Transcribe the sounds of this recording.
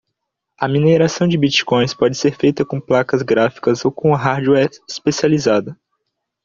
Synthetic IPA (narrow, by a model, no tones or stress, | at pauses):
ɐmineɾasɐ̃w̃d͡ʒɪbit͡ʃi̥kõj̃spɔd͡ʒɪseɾfejt̪ɐkõplakɐzɡɾafi̥kɐzowkõɐɦaɾd͡ʒuɛɾispesializad̪ɐ